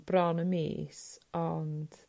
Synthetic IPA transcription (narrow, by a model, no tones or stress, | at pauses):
b̥rɔnəmḭːsɔnd̥